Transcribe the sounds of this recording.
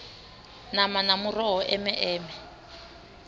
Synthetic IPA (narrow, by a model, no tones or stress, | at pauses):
namanamurɔɦɔʔɛmɛʔɛːmɛ